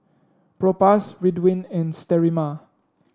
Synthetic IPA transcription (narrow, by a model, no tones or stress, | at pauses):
pɹɔpasɹidwĩnɛ̃nstɛɹima